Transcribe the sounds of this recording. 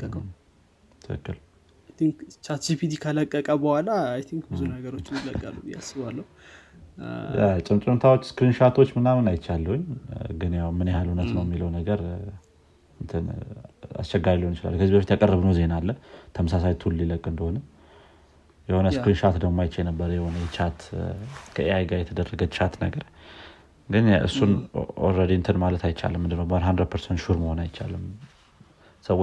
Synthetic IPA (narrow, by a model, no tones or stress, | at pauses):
t̪ʰɨkɨ̰kːɨ̰l | ajt̪iŋkt͡ʃaɾt̪sifit̪ʰikʰələkʼːəkʼəbəhʷwalajt̪ʰiŋkbɨzunəɡəɾo̞t͡ʃːɪnɪləkʼːəlːuja̰sɨβalːəhu | ja̰t͡ʃʼɨmt͡ʃʼɨmt̪ʰawot͡ʃːskɾinʃaɾt̪ʰo̞t͡ʃːmɨnamɨnajɪt͡ʃːalːəwʊɲːɡɨnjawmɨnjhalhunət̪nəwjɛmːiləwnəɡəɾ | ɨnt̪ʰɨna̰st͡ʃːɛɡːaɾiləwnɨt͡ʃɪla̰lːkʰəzibəfit̪jakʼərːəbnəwze̞nalːət̪ʰəməsas̬ajt̪ʰulːiləkʼːɨnd̪əho̞nə | jɛho̞nəskɾinʃat̪d̪əmmːajt͡ʃːajnəbːəɾəjɛho̞nəjɛt͡ʃʰat̪kʰəeajɡajɛt̪ʰəd̪ərːəɡət͡ʃʰat̪nəɡəɾ | ɡɨnɨ̰sːunɔ̰ɾəd̪eɨnt̪ʰɨnmalət̪ʰajt͡ʃːa̰lɨmːɨnd̪ɨnːəwbəand̪hand̪ɾad̪pʰəɾsɛnt̪ʃuɾməho̞najɪt͡ʃːa̰lːɨm | səwo